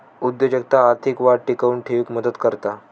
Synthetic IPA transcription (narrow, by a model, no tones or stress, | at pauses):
ud̪jəd͡ʑək̚t̪aːɾt̪ʰikʋaɽʈikaunʈʰeʋikməd̪ət̪kəɾt̪a